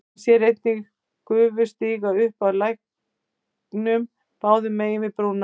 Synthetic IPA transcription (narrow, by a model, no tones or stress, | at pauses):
sjɛɾejt̪̚niɣ | kʏːvʏ̥st̪iːɣaʏhpaðlajhk | nʏm | paːwðʏmɛjɪmɪpɾoːwna